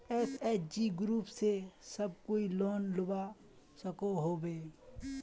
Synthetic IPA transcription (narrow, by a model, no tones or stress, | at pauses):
ɛːsɛːt͡ʃd͡ʒiːɡɾuːpsesəb̚koːiloːnlʊba | səkoɦoːbeː